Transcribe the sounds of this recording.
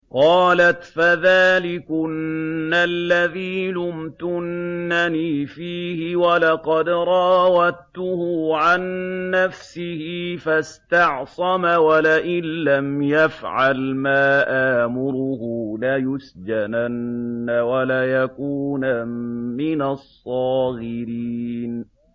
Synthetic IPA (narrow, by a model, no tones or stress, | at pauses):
qɑːlat̪faðaːlɪkʊnːalːaðiːlʊmt̪ʊnːaniːfiːhɪwalɑqɑd̪ɾˤɑwat̪ːʊhʊʕanːafsɪhɪfast̪ɑʕsˤɑmawalaʔɪnːamjafʕalmaːʔaːmʊɾʊhʊlajʊsd͡ʒananːawalajakuːnamɪnasˤːɑːɣɪɾiːn